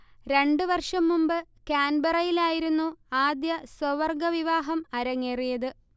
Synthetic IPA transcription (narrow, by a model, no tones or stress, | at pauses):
ɾe̞ɳɖɨʋɐrʂɐmːumbɨkaːnbɐrɐjilaːjiɾunːuaːd̪jɐsɐʋɐrɡɐʋiʋaːɦɐmɐɾɐŋːeːrijɐðɨ